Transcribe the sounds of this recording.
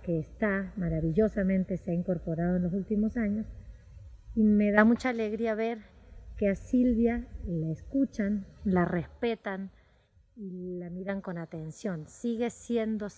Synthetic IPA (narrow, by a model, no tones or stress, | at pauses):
keːst̪amaɾaβiʝo̞samẽ̞nt̪e̞seaiŋko̞ɾpo̞ɾaðoenlo̞sult̪imo̞saɲo̞s | ime̞ðamut͡ʃaːle̞ɣɾiaβe̞ɾke̞asilβjalaeskut͡ʃanlare̞spe̞t̪an | ilamiɾaŋko̞nat̪e̞nsjo̞nsiɣe̞sje̞nd̪o̞s